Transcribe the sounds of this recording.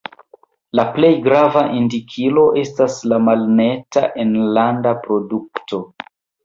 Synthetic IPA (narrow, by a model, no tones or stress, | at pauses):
laple̞jɡɾavaʔindikʰilo̞ʔe̞staslamalne̞ta̰ʔenlandapɾo̞duk̚to̞